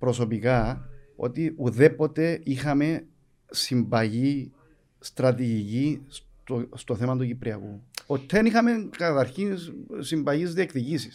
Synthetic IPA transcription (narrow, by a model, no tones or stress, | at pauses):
pɾo̞so̞pikɐo̞̰t̪iuðe̞po̞t̪e̞ixɐme̞ | simbɐʝi | st̪ɾɐt̪iʝicis | t̪ost̪oθe̞mɐt̪ucipɾiɐ̰kuot̪ʰːenixɐmeŋkɐt̪ɐɾçinsimbɐʝizðiekðicisis